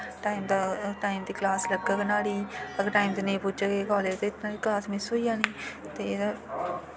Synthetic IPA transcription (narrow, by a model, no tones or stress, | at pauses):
ʈaːiːmd̪aːʈaːimt̪iːklaːsləɡaːknaːɽiːəɡʈaːimt̪eːnẽːpʊd͡ʒaɡeːkɔːleːd͡ʒt̪eːt̪naːɽiːklaːsmɪsɦoːijaːniː | t̪eː